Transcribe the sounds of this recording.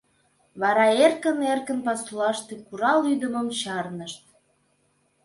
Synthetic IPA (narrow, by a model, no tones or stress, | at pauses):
βɑɾɑerkə̆nerkə̆npɑsulɑʃt̪ĕkuɾɑlyd̪əməmt͡ɕɑrnəʃt̪̚